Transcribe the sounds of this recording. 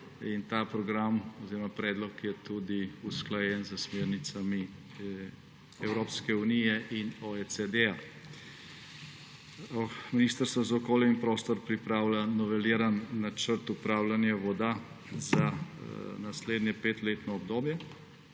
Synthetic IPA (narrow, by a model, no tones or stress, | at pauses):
int̪apɾɔɡɾamɔziːɾɔmapɾɛːd̪lɔkjɛt̪ud̪iusklajɛnzəsmeːɾnit̪sami | ɛwɾoːpskɛunijɛʔinɔet͡s̪ed̪ɛja | miniːst̪əɾst̪ʋɔzaɔkoːljainpɾoːst̪ɔɾpɾipɾaːwlanɔʋɛliːɾanːat͡ʃəɾt̪upɾaːwlanjaʋɔd̪a | za | nasleːd̪njɛpeːt̪leːt̪nɔɔbd̪oːbjɛ